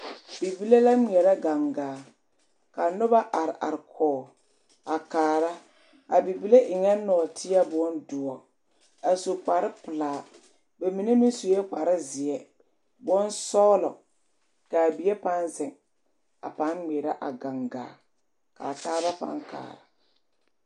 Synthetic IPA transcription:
b̥i˨bi˦le˦la˦ŋ͡mi˨ɛ˨ɾa˦ɡa˨ŋɡaː˨ | ka˨nʊ˦ba˦ʔa˨ɾɪ˨ʔa̰˨ɾɪ˨kʰɔː˨ | a˨kaː˨ɾa˦ | a˨bi˨bi˦le˦ʔɪ˨ŋɛ˦nɔ˨tʰɪ˦a˦bʊ˦ɔ˦ndʊ˨ɔ˨ | a˨so˨k͡pa˨ɾɪ˦pʊ˨laː˨ | ba˨mi˨ne˦mi˦n˦su˨jɛ˦k͡pa˨ɾɪ˦zɪ˨ɛ˦ | bɔ˦n˦sɔː˦lɔ̰˨ | ka˨bi˨e˦pa˦nzɪ˨ŋ | a̰˨pa˨˦nŋ͡mi˨ɾa˦ʔa˨ɡa˨ŋɡa̰ː˨ | ka̰˨taː˦ba˦pa̰˨˦ŋka̰ː˨ɾa˨

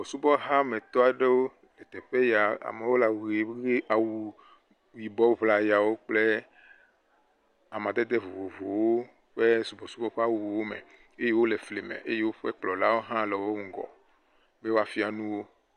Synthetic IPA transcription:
bɔ˨su˦bɔ˦ɦa˦me˨t̪ɔ˦a˨ɖe˦wo˦ | le˨t̪ɛ˨ɸe˦ja˨a̰˨me˨wo˦la˨wu˨ɾe˨˦e˦a˨wu˨ | wi˨bɔ˦vla˨ja˨wo˦k͡ple˦ | a˨mã˨d̪e˦d̪e˦vo˨wo˨vo˨wwo˦ | ɸe˦su˨bɔ˨su˦bɔ˦ɸa˦wu˨wo˨wo˦mḛ˨ | e˦je˦wo˦le˨fle˨mḛ̃˨ʔe˦je˦wo˦ɸe˦k͡plɔ˨la˦wo˦ɦã˦lɔ˨wo˦ŋ˨ɡɔ̰˨ | be˦wo˦a˦fi˦a˨nũ˦wo˦

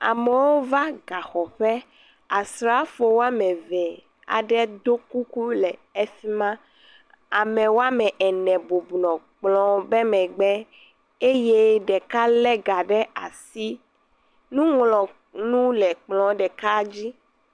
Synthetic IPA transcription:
a̰˨mɛ˨wo˦va˦ɡa˨xɔ˨ɸɛ˦ | a˨sɾa˦fo˨wo˦a˦mɛ̃˨vɛ˨ | a̰˨ɖɛ˦d̪o˦ku˦ku˦lɛ˨ɛ˦fi˦mã˦ | a˨mɛ̃˨wo˦a˦mɛ̃˨ʔɛ˨nɛ̃˨bo˨bu˨nɔ̃˨k͡plɔ̃˨bɛ˦mɛ̃˨ɡ͡bɛ˦ | e˦je˦ɖɛ˨ka˦lɛ˦ɡa˨ɖɛ˦a˨si˦ | nũ˦ŋlɔ̃˨ | nũ˦lɛ˨k͡plɔ̃˨ɖɛ˨ka˦d͡ʑi˦

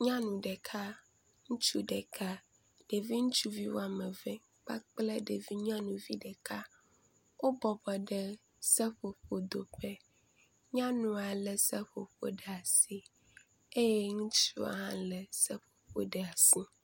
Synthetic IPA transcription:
ɲã˦nũ˨ɖɛ˨kʰa˦ | ŋũ˦t͡ʃu˦ɖɛ˨kʰa˦ | ɖ̥e˨vi˦ŋũ˦t͡ʃu˦vi˦wo̰˦a˨mɛ̃˨vɛ̃˦k͡pa̰˦k͡ple˦ɖe˨vi˦ɲã˦nũ˨vi˦ɖɛ˨ka˦ | wo˦bɔ˨bɔ˨ɖɛ˦ | sɛ˦ɸo˨ɸo˨d̪o˨ɸɛ˦ | ɲã˦nũ˨a˨lɛ˨sɛ˦ɸo˨ɸo̰˦ɖɛ˨a˨si˦ | e˦jɛe˦ŋũ˦t͡ʃṵ˦a̰˨ɦã̰˦lɛ˨sɛ˦ɸo̥˨ɸo̰˦ɖɛ˨a˨si˦

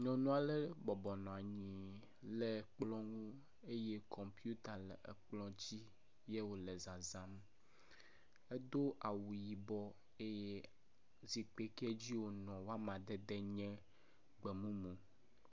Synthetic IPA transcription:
ɲɔ̃˨nɔ̃˦a˨le˦bɔ˨bɔ˨nɔ̃˨a˨ɲĩ˨ | le˨k͡plɔ̃˦ŋũ˦ | e˦je˦kʰɔ̃˨mpju˦t̪a˨lɛ˨ʔḛ˨k͡plɔ̃˦d͡ʑi˦ | je˦wo˨le˨zã˨zã˦m | e˦d̪o˦ʔa˨wu˨ji˨bɔ˦ | e˦je˦ | zi˨k͡pe˦ke˦e˦d͡ʑi˦wo˨nɔ̃˨wo˦a˦mã˨d̪ɛ˦d̪ɛ˦ɲɛ̃˦ | ɡ͡bɛ˨mũ˦mũ˨

